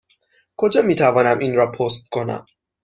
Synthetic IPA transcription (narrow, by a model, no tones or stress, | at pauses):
kʰo̞d͡ʒɒːmiːt̪ʰævɒːnæmʔinɾɒːpʰost̪̚kʰo̞næ̰m